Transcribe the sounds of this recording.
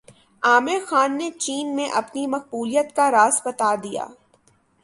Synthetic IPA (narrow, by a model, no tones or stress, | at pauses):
aːmexaːnːet͡ʃiːnmẽʔɐpnimɐq̚buːlijət̪kaɾaːzbɐt̪ad̪ija̰ː